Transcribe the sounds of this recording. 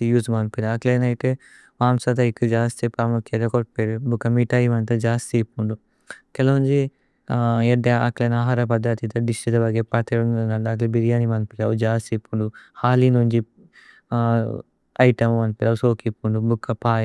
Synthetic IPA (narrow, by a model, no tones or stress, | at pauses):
ijuːsmɐnpeɾiɐklenɐjiʈe | ʋaːmsɐt̪̬ɐikːud͡ʒaːst̪ipaːmukʰjeɾɐkoʈpeɾubukːɐmiʈaːjimɐnt̪ɐd͡ʒaːst̪ipːuɳɖu | kɛlɐɲd͡ʒi | eɖeɐ̰klenaːɦaːɾɐpɐd̪ːat̪it̪ɐɖisʈit̪ɐbɐɡepɐt̪eunɐɐɳɖaːklibiɾijaːnimɐnpiɾɐud͡ʒaːst̪ipːuɳɖuhaːlinuɲd͡ʒi | ɐjʈɐmmɐnpeɾɐusoːkipːuɳɖubukːɐpaːj